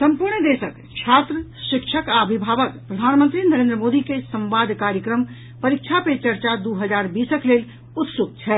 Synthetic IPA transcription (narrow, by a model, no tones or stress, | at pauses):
səmpuɾɳd̪esək | t͡ʃʰat̪ɾəʃikt͡ʃʰəkaəbʱibʱaʋəkpɾəd̪ʱanmənt̪ɾinəɾẽnd̪ɾəmod̪ikesəmbad̪ʱkaɾjəkɾəm | pəɾik̚t͡ʃʰapet͡ʃəɾt͡ʃad̪uɦəd͡ʒaɾbisəklel | ut̪suk̪̚t͡ʃʰɛ